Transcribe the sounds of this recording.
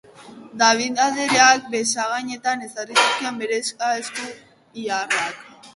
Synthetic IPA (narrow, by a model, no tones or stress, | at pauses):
d̪aβ̞iðaðeɾeak̚besaɣaɲe̞t̪anesarisust̪iambeɾeskaesku | iarat̪̚